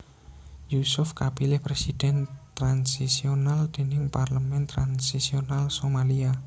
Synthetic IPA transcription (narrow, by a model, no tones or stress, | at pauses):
jusʊfkapilɪhpɾesid̪̥ɛnt̪ɾansisionald̪̥e̤nɪŋparləmɛnt̪ɾansisionalsomalia